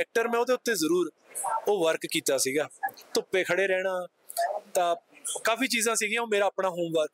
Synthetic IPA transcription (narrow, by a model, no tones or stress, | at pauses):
ɛːk̚ʈəɾmɛ̃ːoːd̪eːʊt̪ːeːzəɾuːɾ | oːʋəɾkkiːt̪aːsiːɡaːt̪ʊpːeːkʰəɽeːɾɛːɽ̃aː | t̪ãːkaːfiːt͡ʃiːzãːsiːɡɪjãːoːmeːɾaːpɽaːɦoːmʋəɾk